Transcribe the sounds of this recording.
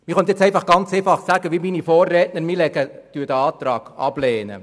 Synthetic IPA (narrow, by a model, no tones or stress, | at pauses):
mɪχœntjɛt͡sɛɪfɑχɡ̥ɑnt͡seːfɑχsæɡəʋiminifoːrːɛːtnəɾmilɛɡəd̥yːd̥əɑːt̪ɾɑːɡ̥ɑ̰b̥leːnə̰